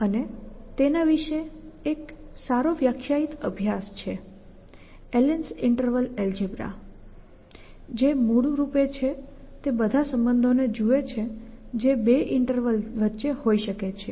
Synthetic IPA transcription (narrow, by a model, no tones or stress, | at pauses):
ənet̪enaʋiʃeeksaɾoʋjakʰjait̪əbʱjast͡ʃʰe | elensɪɳʈəɾʋəleld͡ʒebɾa̰ | d͡ʒemuɽũɾupet͡ʃʰet̪ebəd̪ʱasəmbənd̪ʱoned͡ʒuet͡ʃʰed͡ʒebeʔɪɳʈəɾʋəlʋətːʃehoiʃəket͡ʃʰe